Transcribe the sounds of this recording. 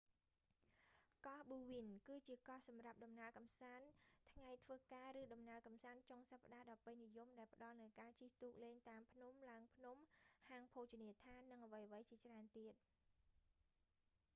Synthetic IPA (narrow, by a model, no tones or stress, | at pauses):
kɑhɓuːʋinkɨːt͡ɕiəkɑhsɑmrap̚ɗɑmnaəkɑmsaːnt̪ʰŋajt̪ʰʋəːkaːɾɨːɗɑmnaəkɑmsaːnt͡ɕoŋsapːə̆ɗaːhɗɑːpɨɲnijumɗaɛlpə̆ɗɑlnɨwkaːt͡ɕiht̪uːk̚leːŋt̪aːmpʰnumlaəŋpʰnumhaːŋpʰoːt͡ɕiniət̪ʰaːnːɨŋʔəʋəjəʋəjt͡ɕiət͡ɕraənt̪iət̪̚